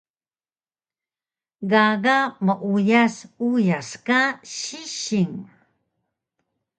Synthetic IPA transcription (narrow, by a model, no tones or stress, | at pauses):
ɣaɣaməʔujasujaskaɕiɕiŋ